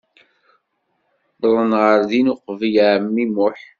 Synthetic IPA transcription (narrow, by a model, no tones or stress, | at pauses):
ɾˤənʁəɾðinʊqvjəʕmːimʊħ